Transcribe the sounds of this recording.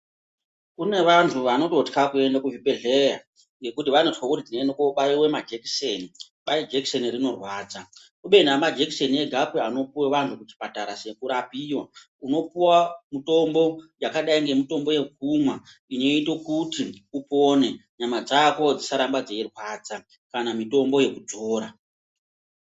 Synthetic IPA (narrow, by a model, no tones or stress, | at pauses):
kune̞ʋantʰuʋano̞to̞tkakue̞ndakuvibeɮeja | ŋɡe̞kutiʋanotkwakutid͡zinenokoɓaiwe̞mad͡ʒeki̥seni | ɓaid͡ʒeki̥se̞nirino̞rwaːd͡za | uɓe̞namad͡ʒeki̥se̞nieɡʱapeano̞puweʋantʰukut͡ʃi̥pataɾase̞kuɾapiːwa̰ | uno̞piwamito̞mbo̞jakaɗaiŋɡe̞mito̞mbo̞je̞k̚umwa | ino̞ito̞kutiupo̞ne̞ɲamad͡zako̞d͡zisaɾambad͡zeerwaːd͡za | kanamito̞mbo̞je̞kud͡zo̞ːɾa